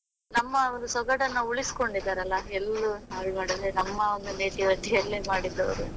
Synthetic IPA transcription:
nɐmːɐond̪usɔɡɐʈɐnːɐuɭisi̥ko̞ɳɖid̪ːaːɾɐlːɐelːuɐɭmaːɽid̪ɾenɐmːɐond̪uneːʈiʋɐʈijɐlːimaːɽid̪ːɐʋɐ̰ɾu

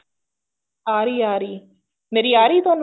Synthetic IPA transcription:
aːɾiaːɾi | neɾiaːɾit̪on

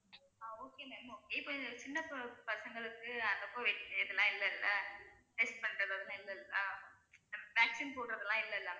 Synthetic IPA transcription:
aːoːkeːmɛɽɐmoːkeːɪpːoːt͡ʃɪnːɐpɐsɐŋɡɐɭɯkːɯɐðɐpːoːʋeʈːɪʈːeɪðɯlãːɪlːɐɪlːɐ | ʈɛsʈ̚pɐɳːɾɐðɐðɯnɪlːɐɪlːɐ | nɐmːɐʋaːksinpoːʈɯɾɐðɯlãːɪlːɐɪlːaː

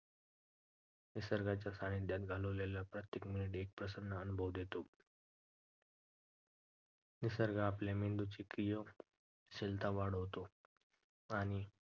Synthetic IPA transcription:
nisəɾɡat͡ɕjasaɽ̃id̪jat̪̚ɡʱaləʋlalapɾət̪jekminiʈek̚pɾəsənːəənubʱəʋd̪ʱjet̪o | nisəɾɡʱaːpljamind̪ut͡ɕikijə | ɕelt̪aʋaɽ̤əʋt̪o | aɽ̃i

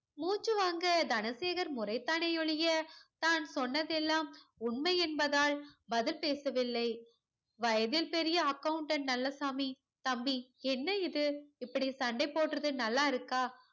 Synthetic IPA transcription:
muːt͡ʃːɯʋaːŋɡɐd̪ɐnɐseːɣɐɾmʊɾrɐɪt̪ːaːnɐɔɭɪjɐt̪aːnsɔnːɐðɛlːaːmʊɳmɐɪɛnbɐðaːɭbɐðɪlpeːsɐʋɪlːɐɪ | ʋɐjɐðɪlpɛɾɪjɐːkːɐɯɳʈɐnnɐlːɐsaːmi | t̪ɐmbiɛnːɐɪðɯɪpːɐɽisɐɳɖɐɪpːoːʈrɐðɯnɐlːaːɪɾɯkːaː

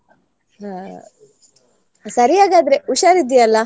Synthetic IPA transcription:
sɐɾijaːɡaːd̪ɐɾe̞uʃaːɾid̪ijɐlːɐ

